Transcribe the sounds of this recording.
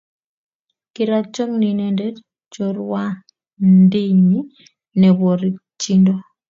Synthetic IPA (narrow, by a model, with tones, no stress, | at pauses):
kɪ˨ɾa˦t͡ʃɔ˦kni˨ne˨nde˦d | t͡ʃo˨ɾwa˦ | ndi˦ɲi˦ | nɛ˨bo˨ɾi˨t͡ʃi˦ndo˦